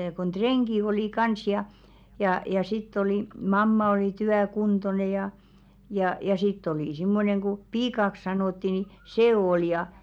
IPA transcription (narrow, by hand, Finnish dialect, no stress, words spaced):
kon treŋɡ̊i oliˑ kɑns jɑ jɑˑ jɑ sitː oli mɑmːɑ oli tyækuntone jɑˑ jɑˑ jɑ sitː oli simːoneŋ ɡ̊u piːkɑks sɑnoˑtːi ni seː ol jɑ